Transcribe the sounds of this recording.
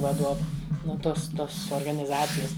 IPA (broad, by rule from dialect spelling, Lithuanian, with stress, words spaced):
ʋɐˈduɔʋʊ nʊ ˈtoːs ˈtoːs oːrɡɐnʲɪˈzɑːt͡sʲɪjɛs